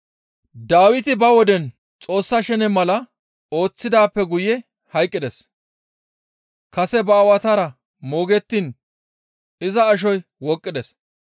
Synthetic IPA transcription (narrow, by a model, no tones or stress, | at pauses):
d̪aːwɪt̪ɪbɐwɔd̪ɛn | t͡sʼo̞ːsːɐʃɛnɛmɐlɐ | o̞ːt͡sːɪd̪aːpːɛɡʊjɛ | hɐjkʼːɪd̪ɛs | kɐsɛbɐːwɐt̪aɾɐ | mo̞ːɡɛt̪ːiːn | ɪzɐːʃ̬ɔjwɔkʼːɪd̪ɛs